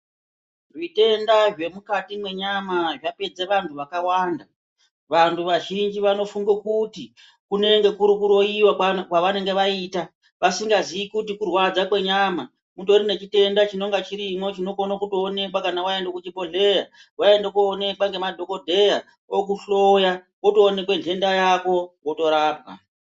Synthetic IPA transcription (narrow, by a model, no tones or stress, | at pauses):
rite̞ndaʐe̞mukatimwe̞ɲamaʐape̞d͡zeʋantʰuʋakawaːnda | ʋantʰuʋaʒind͡ʒiʋano̞fuŋɡekuti | kune̞ŋɡe̞kuɾukuɾo̞iwakwaʋane̞ŋɡe̞ʋaita | ʋasiŋɡaziikutikurwad͡zakwe̞ɲaːma | mutoɾine̞t͡ʃite̞ndat͡ʃino̞ŋɡat͡ʃiɾimwo̞t͡ʃino̞konakutoːne̞kwakanawaendekut͡ʃibʱo̞ɮe̞ja | wae̞ndek̬uone̞kwaŋɡe̞madʱo̞ko̞dʱe̞ja | ok̬uɬo̞ja | woto̞ːne̞kwe̞ntʰe̞ndajako̞woto̞ɾaːbɣa̰